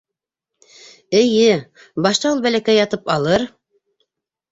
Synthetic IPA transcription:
ɘ̆jɘ | bɑʃt̪ɑulˠbælækæjɑt̪ɤpɑlˠɤɾ

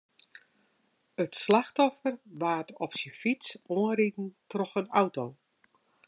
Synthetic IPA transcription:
ətslaxtɔfərʋaːtɔpsifit͡soənritn̩trɔxənawtow

